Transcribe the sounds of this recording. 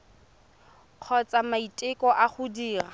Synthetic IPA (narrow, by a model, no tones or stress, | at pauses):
q͡χʰɔt͡sʼamaitʼɪkʼɔʔaχʊdiːra